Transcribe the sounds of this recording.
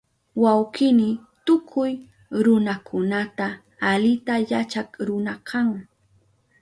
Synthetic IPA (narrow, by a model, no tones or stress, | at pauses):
wawqɪnɪ | t̪ʊkʰʊj | ɾʊnakʰʊnat̪aː | lɪt̪ajat͡ʃakɾʊnakʰaŋ